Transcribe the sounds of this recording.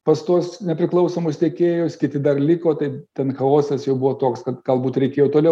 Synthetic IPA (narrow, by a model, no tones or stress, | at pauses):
pɐst̪uɔsnʲɛpʲɾʲɪklˠɐʊsoːmʊst̪ʲeɛkʲeːjʊskʲɪt̪ʲɪd̪ɐrlʲɪkoːt̪ɐɪt̪ʲɛnxɐoːsʲɛsjɛʊbʊʋoːt̪oːkskɐt̪ɡ̥ɐlˠbuːt̪ɾʲɛɪkʲeːjoːt̪oːlʲɛʊ